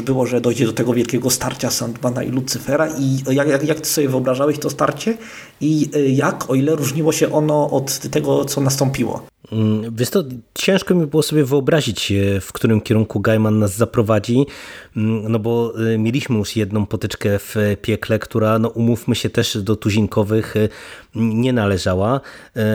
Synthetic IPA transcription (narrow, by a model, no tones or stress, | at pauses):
bɘwɔʐɛd̪ɔjd͡ʑɛd̪ɔt̪ɛɡɔvʲjɛlkʲɛɡɔst̪aɾt͡ɕasand̪bana̰ʔḭlut̪sɘfɛɾaʔijajajakt̪ɪ̥sɔbʲjɛvɨɔbɾaʐawɛɕt̪ɔst̪a̰ɾt͡ɕɛ | ijakʰɔilɛɾuʐɲiwɔɕɛʔɔnɔʔɔt̪ːɛɡɔt̪sɔnast̪ɔmpʲiwɔ̰ | vjɛst̪ɔt͡ɕɛ̃w̃ʂkɔmʲibɘwɔsɔbʲjɛvɘɔbɾaʑit͡ɕfkt̪uɾɘmkʲɛɾuŋkuɡajmanːazzapɾɔvad͡ʑi | nɔbɔmʲjelʲiɕmɘjuʂjɛd̪nɔ̃w̃pɔt̪ɘt͡ʂkɛfpʲjɛklɛkt̪uɾanɔʔumufmɘɕɛt̪ɛʂd̪ɔt̪uʑiŋkɔvɘx | ɲɛnalɛʐawa